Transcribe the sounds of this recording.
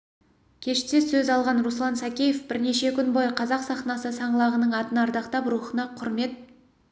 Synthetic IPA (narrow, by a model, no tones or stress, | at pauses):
kʲʰe̞ʃt̪e̞sɵzɑlˠʁɑnruslˠɑnsakʲejefb̥ɪɾne̞ʃe̞kʲʰʏnbojqʰɑzɑqsɑχnɑsəsɑɴəlˠɑʁənəɴɑt̪ənɑɾd̪ɑqt̪ɑpɾuχənɑqʰʊɾme̞t̪̚